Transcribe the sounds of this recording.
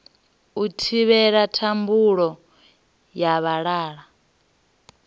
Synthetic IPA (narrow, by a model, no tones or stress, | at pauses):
utʰiβɛɺatʰambuɺɔ | jaβaɺaːɺa